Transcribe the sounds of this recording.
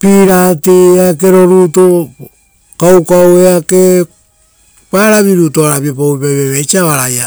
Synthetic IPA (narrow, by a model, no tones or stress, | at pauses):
piɾatieak̬e̞ɾo̞ɾuto | kawkaweake | paɾaβiɾutoaɾaβiop̬aipaβeβet͡ʃiaβaɾaja